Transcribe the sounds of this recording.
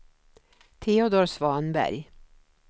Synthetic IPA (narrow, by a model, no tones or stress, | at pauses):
t̪ʰeːɔd̪oːɾsvɑːnbæ̰ɾj